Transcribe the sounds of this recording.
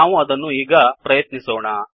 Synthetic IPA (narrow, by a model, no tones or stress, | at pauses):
aːʋuɐd̪ɐnːuiːɡɐpɾɐjɐt̪nisoːɳa